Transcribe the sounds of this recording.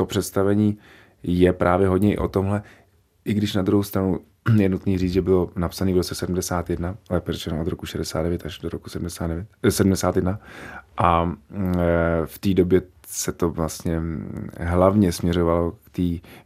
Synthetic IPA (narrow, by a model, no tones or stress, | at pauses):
t̪opr̥ɛt̪st̪avɛɲiː | jɛpɾʔaːvjɛɦodɲɛʔɪ̰ʔot̪o̞mɦlɛ | ʔɪɡdɪʃnad̪ɾuɦowst̪ɾanu | jɛnut̪niːriːt͡sʒɛbɪlnapsaniːvɾott͡sɛsɛdm̩dɛsaːt̪jɛdnaɛpɛrɛt͡ʃɛnʔod̪ɾokuʃɛdɛsa̰ːdɛvjɛt̪aʒdoɾoku̥sɛdm̩dɛsaːdɛvjɛt̪sɛdum̩dɛsaːt̪jɛdnaʔa | ft̪iːdobjɛ | sɛt̪o̞vlast̪ɲɛ | ɦlavɲɛsmɲɛɾo̞valo̞kt̪iː